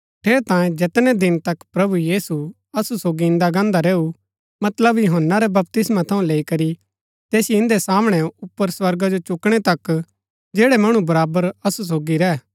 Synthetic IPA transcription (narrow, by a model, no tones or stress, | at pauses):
ʈʰeːɾet̪ãːjẽd͡ʒɛt̪nɛd̪ɪnt̪ɐkpɾɐbujiːsu | ɐsusoːɡiɪ̃nd̪aɡãːnd̪aɾeːu | mɐt̪ləbjʊɦənːaɾɛbɐp̚t̪ɪsmãt̪ʰɐũleːikɐɾi | t̪eːsiɪ̃nd̪esaːmɽ̃ɛʊpːəɾswɐɾɡad͡ʒot͡ʃʊkɽ̃ɛt̪ɐk | d͡ʒeːɽɛmɐɽ̃ũbɐɾaːbəɾɐsus̬oːɡiɾɛː